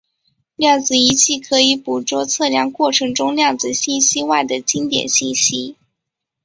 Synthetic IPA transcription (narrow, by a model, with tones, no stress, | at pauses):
ljɑ˥˩ŋd͡zɹ̩˨˩i˧˥t͡ɕʰi˥˩kʰɤ˧˥i˧˥pu˨˩t͡swɔ˥˧t͡sʰɤ˥˧ljɑ˧˥ŋkwɔ˥˩ʈ͡ʂʰɤ˧˥ŋʈ͡ʂʊ˥ŋljɑ˥˩ŋt͡sɹ̩˨˩ɕi˥˩nɕi˥wa˥˩ɪd̪ə˩t͡ɕi˥nt̪jɛ̰˨˩nɕi˥˩nɕi˥